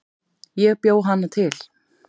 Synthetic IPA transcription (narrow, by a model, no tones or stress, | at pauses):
jɛɣpjoːwɦanːat̪ʰɪl